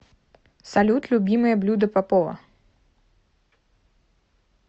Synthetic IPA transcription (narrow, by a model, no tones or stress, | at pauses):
sɐlʲut̪lʲʊbʲimɨjəblʲud̪əpapɔvɐ̰